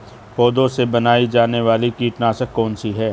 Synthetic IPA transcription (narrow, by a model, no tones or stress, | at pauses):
pɔːd̪õsebɐnaːid͡ʒaːneʋaːlikiːʈnaːʃəkːɔːnsiɦɛː